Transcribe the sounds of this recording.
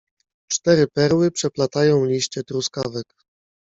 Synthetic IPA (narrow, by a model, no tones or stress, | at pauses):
t͡ʂt̪ɛɾɘpɛɾwɘpʂɛplat̪ajɔ̃w̃lʲiɕt͡ɕɛt̪ɾuskavɛk